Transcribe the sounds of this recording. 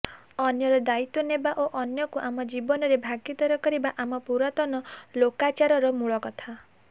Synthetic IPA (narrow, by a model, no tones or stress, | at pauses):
ɔnjɔɾɔd̪ait̪ɔnebaʔoʔɔnjɔkuʔamɔd͡ʒibɔnɔɾebʱaɡjɔt̪ɔɾɔkɔɾibaʔamɔpuɾat̪ɔnɔlokat͡ʃaɾɔɾɔmuɭɔkɔt̪ʰa